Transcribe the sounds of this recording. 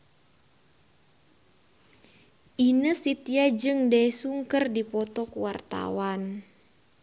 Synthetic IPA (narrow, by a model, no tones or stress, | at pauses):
ʔinəsit̪iad͡ʒɨŋdajsuŋkərdipɔt̪ɔkuwart̪a̰wan